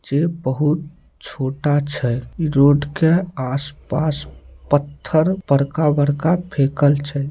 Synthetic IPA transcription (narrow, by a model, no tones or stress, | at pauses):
d͡ʒebəɦut̪̚ | t͡ʃʰoːʈat͡ʃʰɛɾoːɖkeaːspaːspət̪ʰːəɾpəɾkabəɾkapʰeːkəlt͡ʃʰɛ